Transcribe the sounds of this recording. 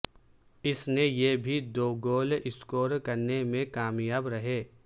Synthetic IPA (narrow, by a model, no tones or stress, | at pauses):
ɪsnejebʱid̪oːɡoːlɪskoːɾkɐɾnemẽkaːmjaːbɾɐɦeː